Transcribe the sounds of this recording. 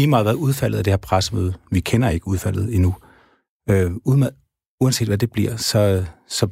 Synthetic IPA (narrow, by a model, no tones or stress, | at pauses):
iːmɑ̈ð̩ˠʋæɐuð̞ˠfæl̰ð̩ˠæd̥e̝heɐpʰʁasəmøːð̞ˠʋikʰenɐe̝ɡ̥əuð̞ˠfæl̰ð̞̩ˠinu | øum | uænse̝̰ːd̥ʋæd̥e̝b̥liɐ̰sɒ̽sɒ̽